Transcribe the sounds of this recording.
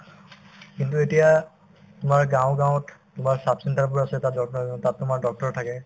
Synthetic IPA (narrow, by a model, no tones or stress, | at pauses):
kintuetija | tʊmaɹɡãʊ̃ɡãʊ̃ttʊmaɹsapsɛntaɹp̬ʊɹasɛtatɔtatːʊmaɹdɔk̚tɔɹɔtʰːakɛ